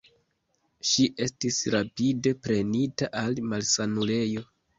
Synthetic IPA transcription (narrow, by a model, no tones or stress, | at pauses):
ʃiʔe̞stisɾapide̞pɾe̞nitaʔalmalsanule̞jo̞